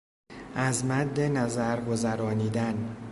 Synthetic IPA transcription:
ʔæzmæd̪ːe̞næzæɾɡo̞zæɾɒːniːd̪æn

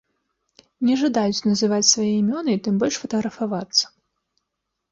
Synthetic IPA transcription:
nʲɛʐad̪ajut͡sʲnɐzɨvat͡sʲsvajɛimʲɔnɨit̪ɨmbɔlʲʂfɐt̪ɐɣɾɐfavat̪sːɐ̥

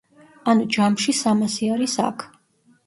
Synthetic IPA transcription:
anud͡ʒamʃisamasiaɾisa̰kʰ

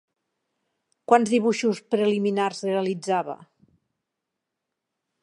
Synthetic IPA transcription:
kwanzðiβ̞uʃuspɾeliminarzreəlid͡zaβə̰

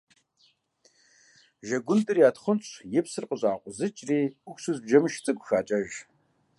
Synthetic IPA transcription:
ʒɐɡʷʊntʼɨriaːtχʷʊnt͡ʃʷʼjɪpsɨrqəɕʼaːqʷʼʊzɨt͡ʃʼriːʊkʷsuzbʒɐmɨʃt͡sʼɨkʷʼxaːt͡ʃʼɐʒ

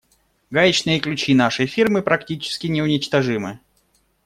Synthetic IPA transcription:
ɡajʲɪt͡ɕnɨjəklʲʉt͡ɕinaʂɨjfʲirmɨpɾɐktʲit͡ɕɪ̥skʲɪnʲɪʊnʲɪt͡ɕt̪ɐʐɨmɨ

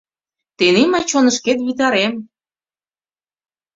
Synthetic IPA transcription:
t̪eneməjt͡ɕonəʃket̪βit̪̬ɑɾem

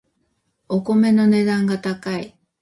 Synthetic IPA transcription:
oko̞me̞no̞ne̞d̪ãŋɡat̪akai

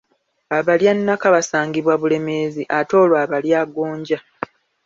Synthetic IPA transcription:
aβaljanːakaβasaːŋɡiβwaβule̞me̞ːziʔato̞ːlwaːβaljaːɡoːɲɟa

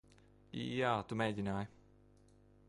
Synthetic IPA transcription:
jaːt̪umejdʲinaːj

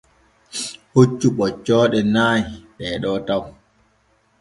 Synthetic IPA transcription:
hot͡ʃːuɓɔt͡ʃːɔːɗɛnaːjiɓɛːɗɔtaw

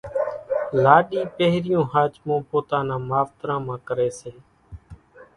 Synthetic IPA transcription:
laːɗĩːpeɦɾɪjõːhaːt͡ʃmõːpoːt̪aːnãːmaːʋt̪ɾãːmãːkəɾeːseː

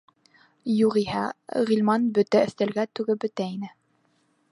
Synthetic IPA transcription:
juʁihæʁilʲmɑnbɵ̆t̪æɵ̆θt̪æ̆lɡæt̪ʉɡɘbɵ̆t̪æinɘ

